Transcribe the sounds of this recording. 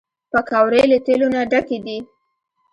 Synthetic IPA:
pəkawɾelət̪elonaɖaked̪i

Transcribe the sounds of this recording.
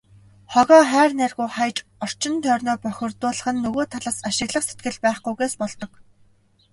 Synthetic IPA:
χɔɣɔːχæːrnærɣujχajt͡ɕɔr̥t͡ɕɪ̆nt̪ʰœːrnɔːpœxʲɪ̆rt̪ʊːɮə̆χɘ̆nːɵɣoːt̪ʰaɮaːsaʃɪ̆ɣɮə̆qset̪̚ɡɘ̆ɮpæːχɡujɣeːspɔɮt̪ɞ̆k

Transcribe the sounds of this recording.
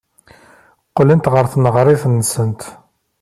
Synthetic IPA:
qːlint̪ʁəɾθnəʁɾˤɪθnːəsənt̪

